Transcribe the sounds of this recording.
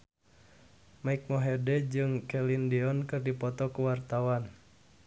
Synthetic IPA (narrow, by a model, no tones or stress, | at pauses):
maik̚mɔɦɛdɛd͡ʒɨŋkɛlindiɔnkɨrdipɔt̪ɔkuwart̪awan